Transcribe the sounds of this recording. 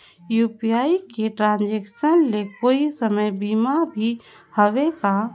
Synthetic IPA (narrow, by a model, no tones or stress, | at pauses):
juːpiaːikeʈɾãːnd͡ʒeːkʃənlekoːisəməjbiːmabʱi | həʋeka